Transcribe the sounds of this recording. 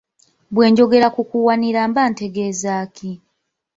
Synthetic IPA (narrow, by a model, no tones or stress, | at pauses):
βwe̞ːɲɟo̞ɡe̞ɾakukuwaniɾaːmbaːnte̞ɡe̞zaːki